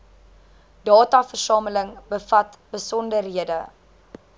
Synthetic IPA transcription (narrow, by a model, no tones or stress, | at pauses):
d̥ɑːtɐfərsɑːmələŋbəfɐt | bəsɔndərɦiədə